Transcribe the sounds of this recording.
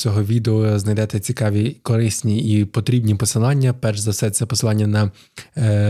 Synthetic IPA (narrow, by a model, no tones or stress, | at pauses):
t͡sʲɔɦɔʋʲid̪eɔznɐjd̪ɛt̪ɛt͡sʲikɑʋʲikɔɾɪsʲnʲiipɔt̪ɾʲibnʲipɔsɪlˠɑnʲːɐpɛrʒzɐsɛsʲɛpɔsɪlˠɑnʲːɐnɐ